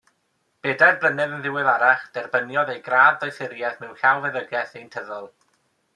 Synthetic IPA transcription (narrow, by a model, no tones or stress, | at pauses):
b̥eːdarblˠənɨðənðɪwɪlˠaɾaχd̥ɛrbənjɔdejɡɾaːdðɔjθɪɾjɛθmɪwɬawˠvɛðəɡɛθejntʰəðɔlˠ